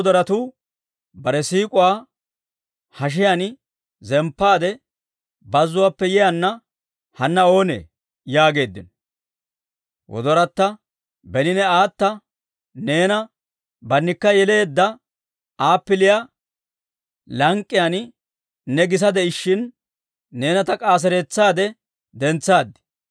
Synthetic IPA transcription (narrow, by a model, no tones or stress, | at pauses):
d̪ɔɾɐt̪uː | bɐɾɛsiːkʼʊwaː | hɐʃ̬ɪjanɪ | zɛmpːaːd̪ɛ | bɐzːʊwaːpːɛjɛjɐnːɐ | hɐnːɐo̞ːnḛː | jaːɡe̞ːd̪ːɪnɔ | wɔ̰d̪ɔɾɐt̪ːɐ | bɛnɪnɛaːt̪ːɐ | ne̞ːnɐ | bɐnːɪkːɐjɛle̞ːd̪ːɐ | aːpːɪlɪja | lɐŋkʼːɪjan | nɛɡɪs̬ɐd̪ɛɪʃːɪnː | e̞ːnɐt̪ɐkʼaːs̬ɛɾeːt͡sːaːd̪ɛ | d̪ɛnt͡sːaːd̪ːɪ̥